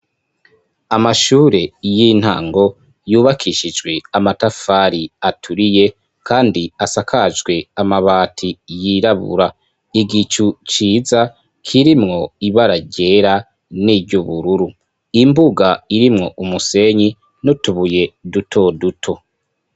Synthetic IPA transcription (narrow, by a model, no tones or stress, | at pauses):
amaʃuːɾe̞jin̥ha̰ːŋɡo̞ | juːβakʰiʃid͡ʒɡwe̞amatafaːɾiatʰuɾije̞ | kʰaːndiasakʰad͡ʒɡwe̞amaβaːtʰijiɾaβṵɾa | iɡit͡ʃut͡ʃiːza | kʰiɾimŋo̞iβaɾaɟe̞ɾa | nibɟuβuɾuɾu | imbuɡaiɾimŋo̞ʔumuse̞ɲi | notuβuje̞dutʰo̞dutʰo̞